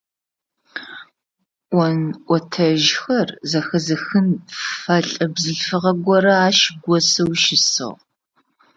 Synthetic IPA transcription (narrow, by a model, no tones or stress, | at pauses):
ʔʷɔnʔʷɔtʰɐʒxɐrzɐxɐzɨxɨnfɐɬʼɐbzɨɮfɨʁɐɡʷɔɾɐaːʃɡʷɔsɐwʃɪsɨ̰ʁ